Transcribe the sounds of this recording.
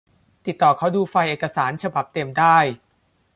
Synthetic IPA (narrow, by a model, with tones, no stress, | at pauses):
t̪i˨˩t̪ːɔː˨˩kʰa˦˥wduː˧fa˧jʔeː˨˩kːa˧saː˩˦nt͡ɕʰa˧ba˨˩p̚t̪e˧mdaː˥˩j